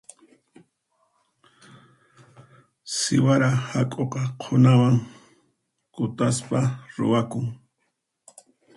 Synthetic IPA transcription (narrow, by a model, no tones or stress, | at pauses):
sɪwaɾahakʼoqɑqʰonawaŋ | kʊt̪aspaɾʊ̰wakʊŋ